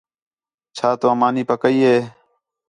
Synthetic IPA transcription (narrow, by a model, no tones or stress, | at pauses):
t͡ʃʰaːt̪oːəmaːniːpəkəiːɦeː